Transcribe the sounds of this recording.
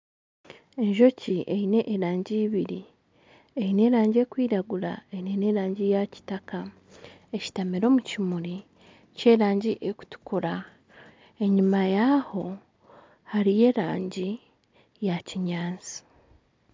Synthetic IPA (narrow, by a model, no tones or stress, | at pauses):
e̞ɲʒo̞ciʔe̞ine̞ʔːɾaːɲɟiːβiɾi | eine̞ːɾaːɲɟie̞ːkwiːɾaɡuɾa̰einene̞ːɾaːɲɟijaci̥taka | eci̥tamiɾo̞ːmucimuɾi | ce̞ːɾaːɲɟiʔeku̥tu̥kuɾa | e̞ɲimajaho̞ | haɾije̞ːɾaːɲɟi | jaciɲaːnzi̥